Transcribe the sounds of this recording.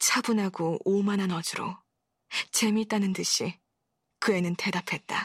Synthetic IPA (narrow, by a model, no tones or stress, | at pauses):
t͡ɕʰabunaɡoomananʌd͡ʑuɾo | t͡ɕe̞mit͈anɯndɯɕʰi | kɯe̞nɯnte̞dapʰe̞t̚t͈a